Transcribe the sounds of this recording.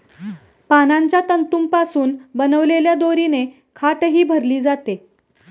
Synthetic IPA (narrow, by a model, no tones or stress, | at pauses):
panaɲt͡ɕjat̪ənt̪uːmpasuːnbənəʋleljad̪oɾine | kʰaʈɦiːbʱəɾliːd͡zat̪e